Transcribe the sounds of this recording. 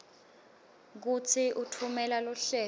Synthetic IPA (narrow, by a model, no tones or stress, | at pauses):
k̬ut͡sʰiʔutʰumɛlalɔɬɛː